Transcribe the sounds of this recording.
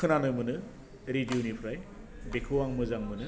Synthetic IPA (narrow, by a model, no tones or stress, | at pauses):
ɯnanɯmɯnɯ | ɾidjunipʰɾaj | bekʰɯwaŋmɯzaŋmɯnɯ